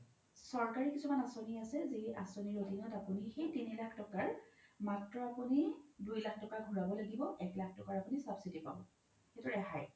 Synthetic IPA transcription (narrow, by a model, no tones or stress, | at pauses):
sɔɹkaɹikisumanasoniasɛziasoniɹodʱinɔtapunixejtinilakʰtɔkaɹmatɹɔapunidujlakʰtɔkaɡʱuɹabɔlaɡibɔʔɛklak̚ʰtɔkaɹapunisabsitipa̰bɔ | xetuɹɛɦaj